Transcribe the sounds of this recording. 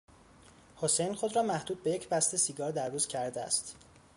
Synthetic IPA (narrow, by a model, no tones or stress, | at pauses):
hosejnxo̞d̪rɒːmæhd̪uːd̪̚be̞je̞cʰbæst̪e̞siɡɒːɾd̪æɾːuːz̥cʰæɾd̪eæ̰st̪